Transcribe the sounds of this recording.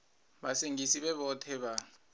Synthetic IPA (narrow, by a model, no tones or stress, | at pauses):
ɓaseŋʱisiɓɛɓɔtʰɛɓa